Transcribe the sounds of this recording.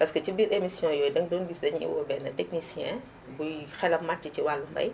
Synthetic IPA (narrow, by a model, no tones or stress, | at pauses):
pɐskət͡ʃibiːɾemisjɔ̃jɔːjdɐŋdɔːnbiːsdɐɲiḭwɔ̰ːbɛnːɐtɛknisijɛ̃ | bujxɛlɐmmat͡ʃiciwalːumbɐ̰j